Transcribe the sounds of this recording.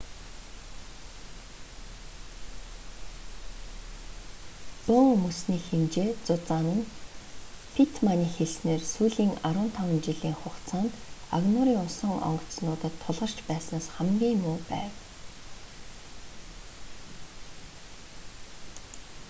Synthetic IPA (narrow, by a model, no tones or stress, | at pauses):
pɵŋmɵsniːxemt͡ɕeːt͡sʊt͡saːnə̆n | fʰit̪ʰmaniːxeɮsneːrsuːɮiːŋaɾʊːnt̪ʰawə̆nt͡ɕiɮiːŋχʊkt͡sʰaːnt̪a̰ɣnʊɾiːŋʊnsə̆ŋɔ̰ɴɢɞ̥̆t̪snʊːt̪ə̆t̪ʰːʊɮʁə̆r̥t͡ɕpæːsnaːsχæmɡʲiːŋmʊːpæ̰ːw